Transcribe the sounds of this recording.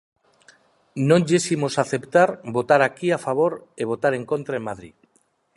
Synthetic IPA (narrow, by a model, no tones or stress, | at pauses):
nõɲʎesimosaθe̞pt̪aɾbo̞t̪aɾakiafaβ̞oɾeβ̞o̞t̪aɾe̞ŋkõ̞nt̪ɾaemaðɾḭ